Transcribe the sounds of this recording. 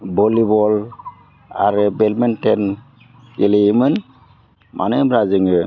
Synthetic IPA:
bɔlibɔl | a̰ɾɯbelmenten | kilimɯn | mʔa̰nɯbɾazɯŋɯ

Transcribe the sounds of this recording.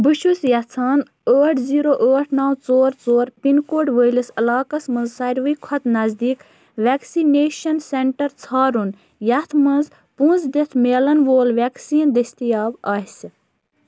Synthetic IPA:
bɨʃusjɐt͡sʰaːn | əːʈʰziːɾoːʔəːʈʰnaːwt͡soːɾt͡soːɾpinkoːɖʋəjlisɐlaːkɐsmɐnzsɐɾʲʋikʰɐt̪nɐzd̪iːk | ʋɛːksineːʃɐnseɳʈɐɾt͡sʰaːɾun | jɐt̪ʰmɐnz | pũːnzd̪it̪ʰmeːlɐnʋoːlʋeːksiːnd̪ɐst̪ijaːbaːs

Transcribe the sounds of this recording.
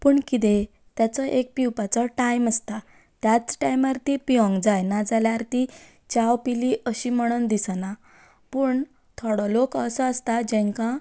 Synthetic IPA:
pəːɳkit̪̬e | t̪jat͡sɔʔek̚piwpat͡sɔʈajməst̪a | t̪jat͡sʈajmaɾt̪ipiɔ̃ŋɡd͡zajnad͡zaljaɾt̪i | t͡ɕawpiliəɕiməɽ̃und̪isana | pəːɳ | t̪ʰɔɽɔlokəsəːst̪ad͡ʑɛ̃ŋkã

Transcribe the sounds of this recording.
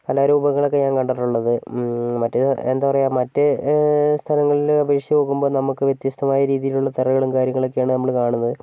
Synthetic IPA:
kɐlaːɾeubɐŋːɐɭokːeɲaːnkɐɳɖɐʈːuɭːɐðɨmɐtːɨḛnd̪aːpɐrɐjaːmɐtːɨ | st̪ʰɐlɐŋːɐɭilɐbʱɐʂjɐpo̞ːɣumbo̞ːnɐmukːɨʋjet̪jɐst̪ʰɐmaːjɐɾiːðijiluɭːɐt̪ɐrɐɣɐɭumkaːɾjɐŋːɐɭo̞k̬ːejaːɳɨnɐmːɐɭkaːɳunːɐðɨ

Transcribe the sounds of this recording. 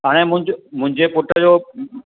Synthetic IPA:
aːɽ̃ẽmʊ̃ɦɪ̃ɲd͡ʑmʊ̃ɦɪ̃ɲd͡ʑepʊʈəd͡ʑoː

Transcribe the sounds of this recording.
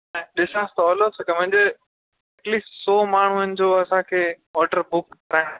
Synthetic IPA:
ɛ̃ːɗɪsãst̪ɔːlosɐkɐmɐ̃ɪ̃ɲd͡ʑe | ɐʈliːsʈsɔːmaːɳ̤uənɪ̆d͡ʑoːɐsãkʰeː | ɔːʈəɾbʊkkɐɾaːɪ̃

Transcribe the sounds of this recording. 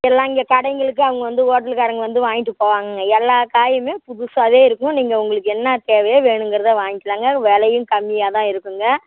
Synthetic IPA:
ɛlːaːɪŋɡekɐɽɐɪŋɡɐɭɯk̬ːɯɐʋɐŋɡɐʋɐnd̪ɯoːʈːɐlkaːɾɐŋɡɐʋɐnd̪ɯʋaːŋɡɪʈːɯpoːʋaːŋŋɡɐɛlːaːkaːjɐmeːpʊðʊsaːðeːɪɾɯkːʊ̃niːŋɡɐʊŋɡɐɭɯk̬ːɯɛnːɐt̪eːʋɐjɐʋeːɳɯŋɡɪɾɐðɐʋaːŋɪʈːɯlaːŋɡɐʋɛlɐjɯ̃mkɐmːɪjaːt̪ãːɪɾɯkːɯŋɡɐ

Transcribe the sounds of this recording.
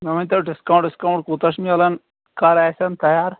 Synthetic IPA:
nɐmɐnʲt̪ɐɖɪskawũɳʈɖɪskawɳʈkut̪ɐʃmiɐlɐn | kaɾaːsɐnt̪ɐjaːɾ

